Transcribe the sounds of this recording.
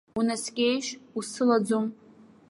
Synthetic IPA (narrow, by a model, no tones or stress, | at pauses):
unaskʲʼejʃusɨlad͡zum